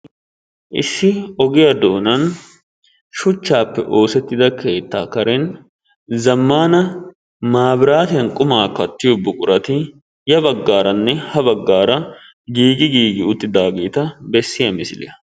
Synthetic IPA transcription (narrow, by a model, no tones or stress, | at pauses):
ʔɪ̰ʃːɪɔɡɪjɐd̪oːnɐn | ʃʊt͡ʃːaːpːɛ̰ʔo̞ːsɛt̪ːɪd̪ɐke̞ːt̪ːaːkɐɾɛn | zɐmːaːnɐ | maːbɪɾaːt̪ɪjɐnkʼʊmaːkːɐt̪ːɪjɔbːʊkʼʊɾɐt̪ɪ | jɐbɐɡːaːɾɐnːɛhɐbɐɡːaːɾɐ | ɡiːɡɪɡiːɡɪʊt̪ːɪd̪aːɡeːt̪ɐbɛsːɪjɐmɪsɪlɪ̰jɐ